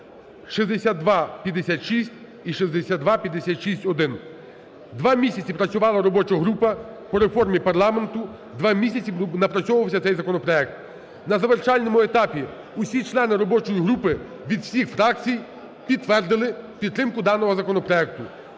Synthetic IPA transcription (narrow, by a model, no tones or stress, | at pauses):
ʃizd̪esʲad̪ʋɑpʲjɐd̪esʲat̪ʃisʲtʲ | iʃizd̪esʲad̪ʋɑpʲjɐd̪esʲat̪ʃisʲtʲɔd̪ɪn | d̪ʋɑmʲisʲɐt͡sʲipɾɐt͡sʲʊʋɑlˠɐɾɔbɔt͡ʃɐɦɾupɐpɔɾe̞fɔrmʲipɐrlˠɑme̞nt̪ʊ | d̪ʋɑmʲisʲɐt͡sʲinɐpɾɐt͡sʲɔʊʋɐwsʲɐt̪sɛjzɐkɔnɔpɾɔɛk̚t̪ | nɐzɐʋert͡ʃɑlʲnɔmʊet̪ɑpʲi | usʲit͡ʃlˠɛnɪɾɔbɔt͡ʃɔjiɦɾupɪ | ʋʲid̪wsʲixfɾɑk̚t͡sʲij | pʲidt̪ːʋɛrd̪ɪlˠɪpʲid̪t̪ːɾɪmkʊd̪ɑnɔɦɔzɐkɔnɔpɾɔɛk̚t̪ʊ